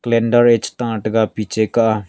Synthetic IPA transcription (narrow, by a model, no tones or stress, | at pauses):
klẽɳɖəɾet͡ʃt̪ãːʈɡapit͡ʃekaʔ